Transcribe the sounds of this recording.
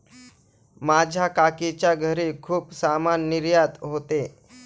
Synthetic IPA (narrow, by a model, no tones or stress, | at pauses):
mad͡ʑʱakakit͡ɕjaɡʱəɾikʰuːpsamanːiɾjat̪ɦot̪e